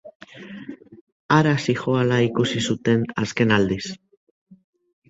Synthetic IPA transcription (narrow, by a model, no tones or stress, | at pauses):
aɾasixoalaikusisut̪e̞naske̞nald̪is